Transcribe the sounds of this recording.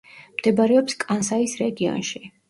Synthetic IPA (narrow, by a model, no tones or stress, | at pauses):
md̪̥ɛbaɾɛɔpskʼansaisɾɛɡiɔ̰nʃi